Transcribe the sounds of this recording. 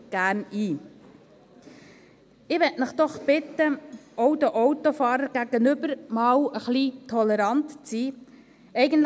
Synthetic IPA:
ɡ̥æːɾniː | ɪʋɛtnɪχd̥̪ɔχb̥ɪt̪ːəowd̪əʔɔwtofɑːɾəɾɡæɡ̥ənʏbəɾmɑːwəχlitʰɔlɛɾɑntt͡siː | ɛɪɡənt

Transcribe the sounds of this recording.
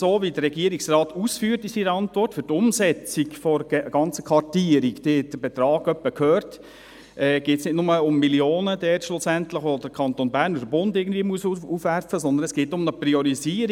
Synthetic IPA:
soːvidəːɛɡiəɾiksrɑːt̪uːsfyːɾtɪsiɾəɑntʋɔrtfʏɾtʊmsɛt͡siɡfɔɾɡɑnt͡sə̥kʰʋɑrtiːəɾikteːɛd̥əbɛt̪ɾɑːɡ̥œpːəkʰhøːrt | ɛːɡ̥eːtsnɪdnʊməʊmːiljoːnədɛːtʃlʊsæntləχʋod̥əɾkʰɑnt̪onbæːɾnɔdəbʊndɪːɡən̩dviːəmuəsufʋæɾfəsɔnd̪ənɛsɡ̥eːtʊmnəpriɔɾiziːəɾ

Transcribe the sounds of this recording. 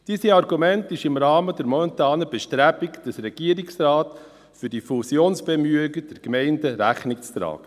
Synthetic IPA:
d̥iːsəɑrɡumɛntɪʃɪmɾɑːmədɛɾmɔmɛnt̪ɑːnəbɛʃtɾæbɪkd̥əsɾɛɡ̥iəɾɪksɾɑːt | fʏɾd̥ifusjoːnsb̥ɛmyəɡəd̥ɛɾkmɛɪndəɾæχnɪk̚t͡st̪ɾɑ̰ːɡ̥ə

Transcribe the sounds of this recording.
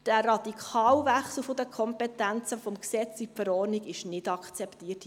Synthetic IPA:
d̥æɾɑd̪ikʰɑːlvæχsl̩fod̥əkʰɔmpɛt̪ænt͡səfɔmksɛt͡sifəɾɔːrniɡɪʃnɪdɑkʰt͡sɛptiːərt

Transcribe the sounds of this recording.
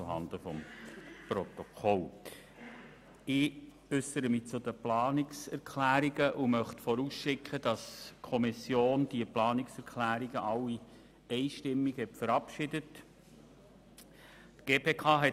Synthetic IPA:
ʊɦɑ̰nd̪əfɔmpɾɔt̪ɔkʰɔl | ɪ | ʏsəɾəmɪt͡sʊdəplɑːnɪksɛɾkʰlæːɾiɡəʔʊmœχtfɔɾuːsʃɪkʰχəd̥ɑskʰɔmisjoːnd̥iəplɑːnɪksɛɾkʰlæːɾiɡ̥əʔɑwi | ɛɪʃtɪmːiɡhɛtfəɾɑpʃɪdət | tɡ̥eːpʰeːkʰɑːɦɛ

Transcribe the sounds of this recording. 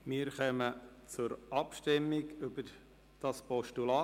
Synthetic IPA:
mɪːɾχœmət͡sʊɾɑpʃtɪmːɪɡybə | d̥ɑspɔʃtulɑː

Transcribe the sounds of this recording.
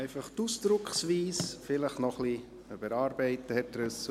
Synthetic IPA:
ɛɪfɑχtusd̥ɾʊkχsviːsfɪləχnɔχli | ybəɾɑːɾbɛɪtːəhɛtɾʉs

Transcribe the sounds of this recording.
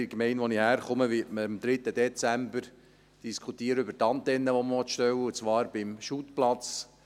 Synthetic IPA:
ɪkmɛɪnʋɔnihæːɾχʊməʋɪtməimd̪ɾɪt̪ːəd̪ɛt͡sæmbəɾ | d̥iskʰut̪iːəɾəʏbəɾt̪ɑnt̪ɛnːəʋɔməʋɔt̪ʃtɛwːəut͡sʋɑːɾb̥ɪmʃut̪plɑt͡s

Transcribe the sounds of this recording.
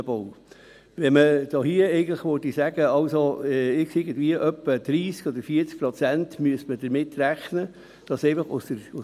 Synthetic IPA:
əb̥ow | ʋɛməd̥̪ɑːɦiəɛɪɡən̩tləχʋøtisæɡ̥əɑʊsoɛɪksɪɡəndviəʔœpːəd̪̥ɾiːskɔd̪əɾfiəɾt͡sk̚pɾɔt͡sæntmyəsmədəɾmɪtːɾæχnə | d̥ɑsɛɪfɑχʊ̰səɾʊ

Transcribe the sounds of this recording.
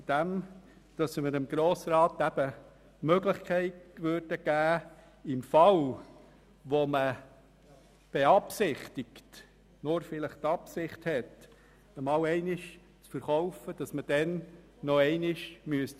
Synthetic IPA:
d̥æm | d̥ɑsməɾəmɡ̥ɾoːsɾɑːt̪æb̥ə | møɡlɪχkʰɛɪtʋøːɾd̥əɡ̥æː | ɪmfɑl | ʋomə | b̥eɑpsɪχtɪkt | nʊɾfɪləχt̪ɑpsɪχthɛt | əmɑːwɛɪnɪʃ | t͡sfəɾχɔʊfəd̥ɑsməd̥ɛnː | ɔɛɪnɪʃmyəst

